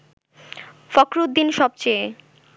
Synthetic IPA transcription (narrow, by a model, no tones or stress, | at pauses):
fɔkɾud̪d̪inʃɔb̚t͡ɕe